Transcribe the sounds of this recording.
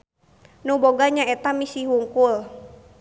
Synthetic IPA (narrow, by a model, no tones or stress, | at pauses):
nuboɡaɲaɛt̪amisiɦuŋkul